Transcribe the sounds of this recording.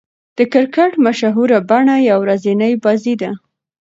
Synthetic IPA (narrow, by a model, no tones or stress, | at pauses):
d̪̥əkɪɾkaʈmaʃaɦuɾabaɳajawɾazinajbɑzid̪a